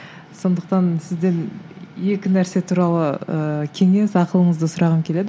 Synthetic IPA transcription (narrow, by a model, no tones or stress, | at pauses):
so̞nd̪əq̚t̪ɑnsɪzd̪e̞nje̞kʲɪnæɾse̞t̪ʰuɾɑlˠəəkʲʰe̞ŋe̞sɑqəlˠəɴəzd̪əsʊɾɑʁəŋkʲʰe̞le̞d̪